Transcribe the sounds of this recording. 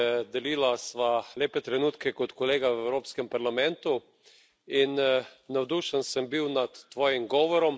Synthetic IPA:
d̪ɛliːlasʋaleːpɛt̪ɾɛnuːt̪kɛkɔt̪kɔleːɡawɛwɾoːpskɛmpaɾlamɛnt̪u | innawd̪uːʃənsəmbiwnat̪ːʋɔːjimɡɔːʋɔɾɔm

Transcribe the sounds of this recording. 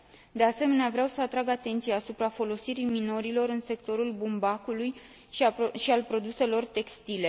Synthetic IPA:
d̪e̞ase̞me̞neavɾeawsəat̪ɾaɡat̪e̞nt̪siaːsupɾafo̞lo̞siɾimino̞ɾilo̞ɾɨnse̞kt̪o̞ɾulbumbakuluj | ʃialpɾo̞d̪use̞lo̞rt̪e̞kst̪ile̞

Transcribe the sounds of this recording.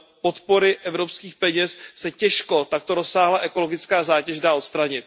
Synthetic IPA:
pot̪po̞ɾɪʔɛvɾo̞pskiːxpɛɲɛssɛcɛʃko̞t̪ak̚t̪o̞ɾosaːɦlaʔɛko̞lo̞ɡɪt͡skaːzaːcɛʒdaːot̪st̪ɾaɲɪt̪̚

